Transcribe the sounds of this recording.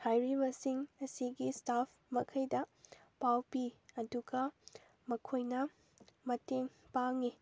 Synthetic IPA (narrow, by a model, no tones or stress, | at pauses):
hajɾibɐsiŋɐsiɡistapʰmɐkʰɐjdɐ | pawpiɐduɡɐ | mɐkʰojnɐ | mɐteŋ | paŋi